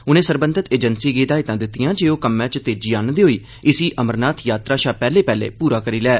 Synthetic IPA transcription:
ʊnẽːsəɾbə̃nd̪ʱət̪eːd͡ʒənsiːɡeːd̪aːit̪ãːd̪ɪt̪ːɪjãːd͡ʒeːoːkəmːɛ̃ːt͡ʃt̪eːd͡ʒiːaːnd̪iːɦoiː | ɪsiːʔəməɾnaːt̪ʰjaːt̪ɾaːʃaːpɛːleːpɛːlḛːpuːɾaːkəɾiːlɛː

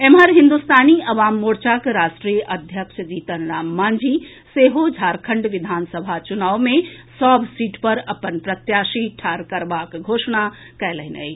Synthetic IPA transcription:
eməɾɦind̪ust̪aːniəʋaːmːoɽt͡ʃakɾaʃʈɾijəʔəd̪ʱjəkʃʰəd͡ʒiːt̪ənɾaːmːaːnd͡ʒʱi | seɦod͡ʒʱaɾkʰəɳɖʋid̪ʱansəbʱat͡ʃunaːʋmesɔbʱsiːʈpəɾəpənpɾət̪jasiʈʰaɾkəɾbakɡʱoːsɳ̃a | kɛləɪnə̰

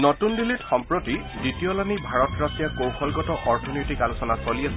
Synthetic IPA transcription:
notundilitxɔmpɹoti | ditijɔlanibʱaɹɔtɹasijakowxʰɔlɡɔtɔʔɔɹtʰɔnitikalusɔnasoliasɛ

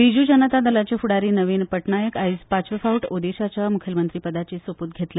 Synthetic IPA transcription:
ʋid͡ʑuːd͡ʑənat̪ad̪əlat͡ɕefuɽaɾiːnəʋinpəʈɳajəkajspat͡ɕʋəfauʈod̪eɕat͡ɕjamukʰjəlmənt̪ɾiːpəd̪at͡ɕiːsʋəput̪̚ɡʱet̪le

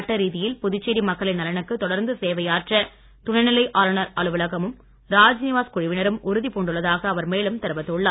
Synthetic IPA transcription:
ʈːɐɾiːðɪjɪlpʊðɪt͡ʃːeːɾimɐkːɐɭɪnːɐlɐnɯkːɯt̪ːɔɽɐɾnd̪ɯseːʋɐjaːʈrɐ | t̪ʊɳɐɪnɪlɐɪʔaːlɐnɐɾɐlɯʋɐlɐɣɐmɯm | ɾaːd͡ʒnɪʋaːskʊɻɪʋɪnɐɾɯmʔʊɾɯðipuːɳɖɯɭːɐðaːɣɐːʋɐɾmeːɭɯmt̪ɛɾɯʋɐt̪ːɯɭːaː

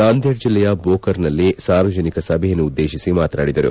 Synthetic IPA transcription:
aːnd̪ʱɐɾd͡ʒilːɛjɐboːkɐɾnɐlːisaːɾʋɐd͡ʒɐnikɐsɐbʱɛjɐnːuːd̪ːe̞ːʃisimaːt̪na̰ːɽid̪ɐɾṵ

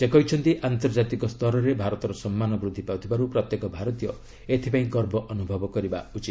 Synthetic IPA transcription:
sekɔɦit͡ʃʰɔnt̪iʔant̪ɔɾd͡ʒat̪ikɔst̪ʰɔɾɔɾebʱaɾɔt̪ɔɾɔsɔmːanɔbɾud̪ʱːipawt̪ʰibaɾupɾɔt̪jekɔbʱaɾɔt̪ijɔ | et̪ʰipaĩkɔɾbʱɔʔɔnubʱɔbɔkɔɾibaut͡ʃi

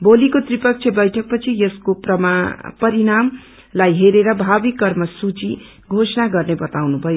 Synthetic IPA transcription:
bolikot̪ripʌk̚t͡sʰjʌbʌjʈʰʌk̚pʌt͡sʰijʌskoprʌmapʌɾinam | lajɦeɾeɾʌbʱabikʌrmʌsut͡si | ɡʱosʌnaɡʌrnebʌt̪awnubʱʌjo

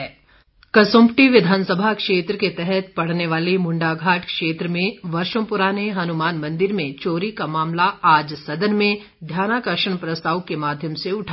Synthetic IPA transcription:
ɦɛː | kɐsõmpʈiʋɪd̪ʱaːnsəbʱakʃeːt̪ɾəket̪ɛɦɛt̪̚pɐɽ̤neʋaːlemʊ̃ɳɖaːɡʱaːʈkʃeːt̪ɾəmẽʋɐɾʃõpʊɾaːneɦɐnʊmaːnmɐ̃nd̪ɪɾmẽt͡ʃoːɾikamaːmlaaːd͡ʒsɐd̪ənmẽ | d̪ʱjaːnaːkɐɾʃəɳpɾɐst̪aːʋkːemaːd̪ʱjəmseʊʈʰa

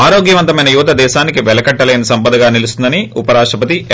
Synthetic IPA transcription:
aːɾo̞ːɡjɐʋɐnt̪ɐmɐjnɐjuʋɐt̪ɐd̪ɛːʃaːnikiʋɛlɐkɐʈːɐleːnɐsɐmpɐd̪ɐɡaːnilus̬t̪und̪ɐniupɐɾaːʂʈɐpɐt̪̬iʔ

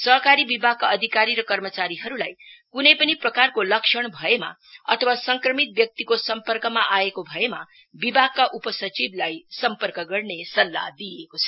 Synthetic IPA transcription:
sʌɦkaɾibibʱaɡ̚kːaʌd̪ʱikaɾiɾʌkʌrmʌt͡saɾiɦʌɾulajkunʌjpʌniprʌkarkolʌksʰʌɽ̃bʱʌema̰ | ʌt̪ʰʌwasʌŋkrʌmit̪̚bjʌk̚t̪ikosʌmpʌrkʌmaʔaekobʱʌema | bibʱaɡ̚kːaʔupʌsʌt͡siblajsʌmpʌrkʌɡʌrnesʌlːa̰d̪iekot͡sʰʌ̥

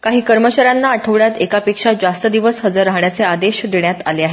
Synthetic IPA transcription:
kaɦiːkəɾmət͡ɕaɾanːaːʈʰəʋɭjat̪ekapekʂad͡zast̪əd̪iʋəsɦəd͡zəɾːaɦɳjat͡sead̪eɕd̪iɳjat̪aleaɦe

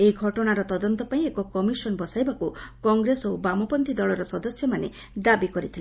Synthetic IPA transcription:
eiɡʱɔʈɔɽ̃aɾɔt̪ɔd̪ɔnt̪ɔpaĩekɔkɔmisɔnbɔsajbakukɔŋɡɾesowbamɔpɔnt̪id̪ɔɭɔɾɔsɔd̪ɔsjɔmane | d̪abikɔɾit̪ʰila

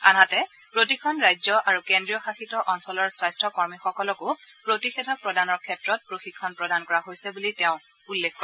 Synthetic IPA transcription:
a̰nɦatɛ | pɹotikʰɔnɹajzɔʔaɹukendɹiɔxaxitɔʔɔnsɔlɔɹswajstʰɔkɔɹmixɔkɔlɔkʊpɹotixɛdʱɔk̚pɹɔdanɔɹkʰɛtɹɔt̚pɹoxikʰːɔnpɹɔdankɔɹaɦojsɛbulitɛʊ̃ | ulːekʰːɔ

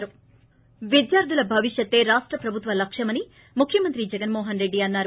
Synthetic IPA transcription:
ɾu | ʋid̪jaːɾd̪ʱulɐbʱɐʋiʂjɐt̪ːe̞ːɾaːʂʈɾɐpɾɐbʱut̪ʋɐlɐkʂjɐmɐni | mukʰjɐmɐnt̪ɾid͡ʒɛɡɐnmɔːɦɐnɾe̞ɖːiɐnːaːɾu

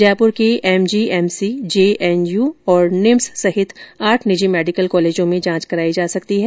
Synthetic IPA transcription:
d͡ʒjaːpʊɾkeɛːmd͡ʒiːɛmsid͡ʒeːʔɛnjuːɔːɾnɪmssɐɦɪt̪aːʈʰnɪd͡ʒemɛːɖɪkəlkɔːleːd͡ʒõmẽd͡ʒãːt͡ʃkɐɾaːid͡ʒaːsɐkt̪iɦɛː

